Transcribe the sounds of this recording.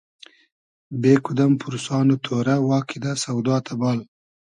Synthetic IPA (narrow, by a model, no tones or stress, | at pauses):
beːkʊd̪ampʰʊɾsɑːnot̪ʰoɾawɑːkid̪asawd̪ɑːt̪ʰabɑːl